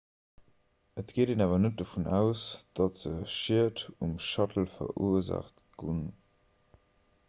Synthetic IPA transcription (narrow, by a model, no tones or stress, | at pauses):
ətɡ̥eːdeːnaːvɐnət̚dəfunæʊsd̥ɑtz̥əʃiətumʃɑtəl̩fɐ̰ʁʔṵəza̰χt | ɡ̥un